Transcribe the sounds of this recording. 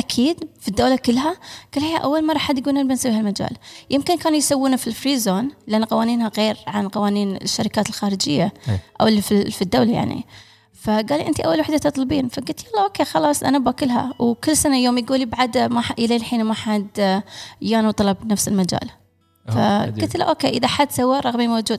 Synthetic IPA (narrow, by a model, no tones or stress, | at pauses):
ʔakʰiːd̪fid̪ːoːlakɪlːɦaɡ̥aːlhiːhaʔa̰wːalmɑrˤɑħad̪jɡuːlnʔɪnbɪnsawihalmad͡ʒa̰ːljɪmkɪnkaːnujsawːiːnafilfɾiːzoːnlʔanːaqɑwaːniːnhaɣeːɾʕanqɑwaːniːn̰ʃːaɾɪkaːt̪lxaːɾɪd͡ʒɪ̰jːaʔa̰wlififid̪ːowlaja̰ʕnḭ | faɡaːliʔɪnt̪iʔawːalwaħd̪at̪ɨt̪ˤlbiːnfaɡʊlt̪jaːlˤːaʔoːkeːxɑlɑːsˤʔa̰nabakɪlːɦa̰wkɪlːsanajoːmjɡuːlibaʕad̪maħaʔɪleːlħiːnmaħad̪ | jaːnut̪ˤɑlɑbnafsɪlmad͡ʒa̰ːl | fa̰ɡʊt̪la̰ʔoːkeːʔɪðaħad̪sawːaɾˤɑɣmimawd͡ʒuːd̪̚